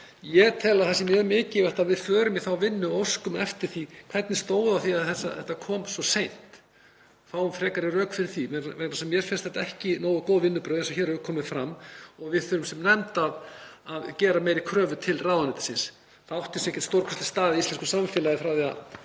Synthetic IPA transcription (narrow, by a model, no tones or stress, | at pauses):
jɛt̪ʰɛːlaðθasɪmjɛmɪːcɪvɛht̪aðvɪðfœːɾʏmjɛθawvɪnːʏowskʏmɛft̪ɪɾ̥θikʰv̥ɛt̪nɪst̪oːwðawθiaðθɛsːa̰θɛht̪ːakʰɔːmsɔsejn̥t̪ | θawʏmfɾɛːkaɾɪrœːkfɪɾɪɾ̥θimɛɛnasɛmːjɛɾ̥fɛnst̪θɛ̥t̪ːaɛhcɪnoːwʏkoːwðvɪnːʏpɾœːðɛs̬ɔçɛːɾɛvʏkʰɔːmɪfɾamːɔɣvɪðfœːɾʏmsɛmnɛmt̪aðaðcɛːɾamejɾɪkʰɾœːvʏt̪ʰɪlraːwðanɪt̪ɪ̥sɪns | θaawht̪ɪsɛhcɛ̥t̪st̪owɾkʰœ̥st̪ɪst̪aːðɪist̪ɛnskʏ̥samfɪːlajɪfɾawθɛa̰